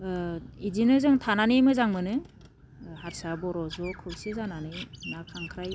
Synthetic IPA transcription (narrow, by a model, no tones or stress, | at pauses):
idinɯzɯŋtʰananimɯzaŋmɯnɯ | haɾsabɔɾɔzɔkʰɯwsizananɯjnakʰaŋkʰɾaj